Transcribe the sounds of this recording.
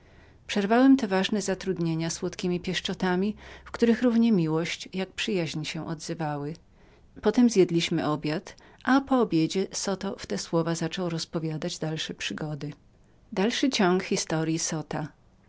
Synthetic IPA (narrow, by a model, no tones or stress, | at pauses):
pʂɛɾvawɛmt̪ɛvaʐnɛzat̪ɾud̪ɲeɲaswɔt̪kʲimʲipʲjɛʂt͡ʂɔt̪amʲifkt̪uɾɘxɾuvɲɛmʲiwɔɕt͡ɕjak̚pʂɘjaʑɲiɕɛʔɔd̪zɘvawɘ | pɔt̪ɛmzʲjɛd̪lʲiɕmɘʔɔbʲjat̪ | ʔapɔːbʲjed͡ʑɛsɔt̪ɔft̪ɛswɔvazat͡ʂɔwɾɔspɔvʲjad̪ad͡ʑd̪alʂɛpʂɘɡɔd̪ɘ | d̪alʂɘt͡ɕɔŋkxʲist̪ɔɾjisɔt̪a